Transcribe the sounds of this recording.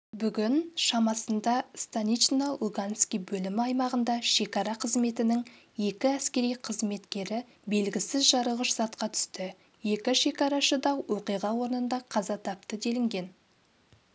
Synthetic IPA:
bʏɡʲɪnʃɑmɑsənd̪ɑst̪anit͡ʃnalˠuɡanskʲijbɵlɪmɪɑjmɑʁənd̪ɑʃe̞kɑɾɑqʰəzme̞t̪ɪnɪŋ | je̞kʲɪæskʲe̞ɾijqʰəzme̞t̪kʲe̞ɾɪ | be̞lɡʲɪsɪzʒɑɾəʁəʃz̥ɑt̪qɑt̪ʰʏ̥st̪ɪ | je̞kʲɪʃe̞kɑɾɑʃəd̪ɑwwoqijʁɑwo̞ɾənənd̪ɑqʰɑzɑt̪ʰɑp̚t̪əd̪e̞lɪŋɡʲe̞n

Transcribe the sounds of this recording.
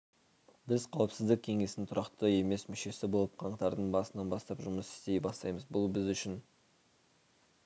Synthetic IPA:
bɪzqʰɑwəpsɪzd̪ɪk̚ʲʰe̞ŋe̞sɪnt̪ʰʊɾɑqt̪əe̞me̞smʏʃe̞sɪbo̞lˠəp̚qʰɑɴqt̪ɑɾd̪əɴbɑsənɑnbɑst̪ɑpʒʊməsɪ̥st̪e̞jbɑst̪ɑjməzbʊlˠbɪzʏʃɪn

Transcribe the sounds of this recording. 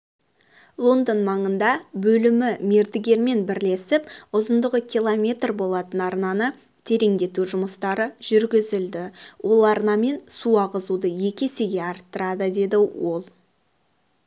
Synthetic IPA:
lˠo̞nd̪ənmɑɴənd̪ɑbɵlɪmɪme̞ɾd̪ɪɡʲe̞ɾme̞nbɪɾle̞sɪpʊzənd̪əʁəkʲʰijlˠomʲe̞t̪rbo̞lˠɑt̪ənɑɾnɑnə | t̪ʰe̞ɾe̞ŋd̪e̞t̪uʒʊməst̪ɑɾəʒ̥ʏɾɡʲɪzɪld̪ɪwʔo̞lˠɑɾnɑme̞nsuɑʁəzud̪əje̞kʲe̞seɡʲe̞ɑɾt̪ːəɾɑd̪əd̪e̞d̪ɪwo̞lˠ

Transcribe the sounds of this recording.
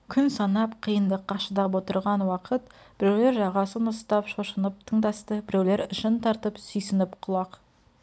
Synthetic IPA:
kʲʰʏnsɑnɑpqʰəjənd̪əqʰːɑʃəd̪ɑpwo̞t̪əɾʁɑnwɑqʰət̪ | b̥ɪɾewle̞ɾʒɑʁɑsənʊst̪ɑpʃoʃənəp̚t̪ʰəɴd̪ɑst̪əbɪɾewle̞ɾəʃənt̪ʰɑɾt̪əpsʏjsɪnɪpqʰʊlˠɑq

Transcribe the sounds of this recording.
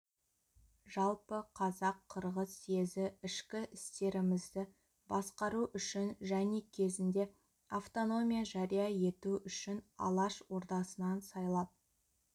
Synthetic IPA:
ʒɑlˠpəqʰɑzɑqʰːəɾʁəsezɪɪʃkʲɪʔɪst̪e̞ɾɪmɪzd̪ɪ | bɑsqɑɾuʔʏʃɪnʒæne̞kʲʰe̞zɪnd̪e̞ | aft̪o̞no̞mʲijaʒɑɾijɑje̞t̪uʏʃɪnɑ̰lˠɑʃwo̞ɾt̪ɑsənɑnsɑjlˠɑp̪̚

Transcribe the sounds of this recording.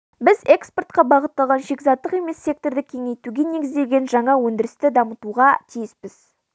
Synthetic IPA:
bɪze̞ksport̪̚qɑbɑʁət̪ːɑlˠʁɑnʃe̞kʲzɑt̪ːəqe̞me̞sːe̞k̚t̪o̞rd̪ɪkʲʰe̞ŋe̞jt̪uɡʲene̞ɡʲɪzd̪e̞lɡʲe̞nʒɑɴɑwɵnd̪ɪɾɪst̪ɪd̪ɑmət̪uʁɑt̪ʰijɪspɪz̥

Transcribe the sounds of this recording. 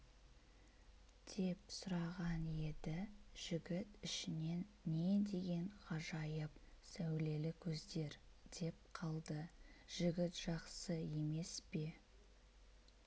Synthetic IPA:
d̪̥e̞psʊɾɑʁɑnje̞d̪ɪʒ̥ɪɡʲɪt̪ɪʃɪne̞nːe̞d̪e̞ɡʲe̞ɴqʰɑʒɑjəp̚sæwle̞lɪkʲʰɵzd̪e̞ɾd̪̥e̞p̚qʰɑlˠd̪əʒ̥ɪɡʲɪt̪ʒ̥ɑqsəje̞me̞spe̞

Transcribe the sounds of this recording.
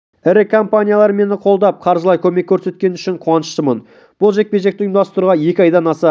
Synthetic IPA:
ɪɾɪkʰompanʲijalˠɑɾəme̞nɪqʰo̞lˠd̪ɑp̚qʰɑɾʒəlˠɑjkʲʰɵme̞kʲʰːɵɾse̞t̪̚kʲe̞nʏʃɪɴqʰuwɑnəʃt̪əmən | b̥ʊlˠʒe̞k̚pʲeʒe̞k̚t̪ɪjɪmd̪ɑst̪əɾuʁɑje̞kʲɪɑjd̪ɑnɑsɑ

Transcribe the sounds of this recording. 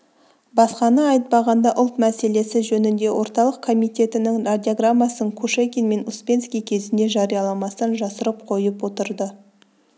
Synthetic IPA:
bɑsqɑnəɑjət̪̚pɑʁɑnd̪ɑʔʊlˠt̪mæse̞le̞sɪʒɵnɪnd̪e̞wʔo̞ɾt̪ɑlˠəqkʰo̞mijt̪ʲe̞t̪ɪnɪŋrad̪ʲiaɡramːasəɴkʰuʃekʲenme̞nuspʲe̞nskʲijkʲʰe̞zɪnd̪e̞ʒɑɾijɑlˠɑmɑsənʒɑsəɾəp̚qʰo̞jəpwo̞t̪əɾd̪ə

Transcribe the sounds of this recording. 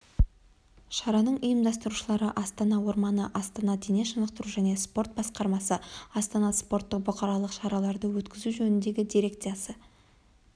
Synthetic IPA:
ʃɑɾɑnəɴəjəmd̪ɑst̪əɾuʃəlˠɑɾəʔɑst̪ɑnɑwo̞ɾmɑnəʔɑst̪ɑnɑd̪eneʃənəq̚t̪əɾuʒæne̞spo̞ɾt̪̚bɑsqɑɾmɑsəɑst̪ɑnɑspo̞rt̪ːəq̚bʊqʰɑɾɑlˠəqʃɑɾɑlˠɑɾd̪əwɵt̪kʲɪzuʒɵnɪnd̪e̞ɡʲɪd̪iɾe̞kt̪sɨjɑsə

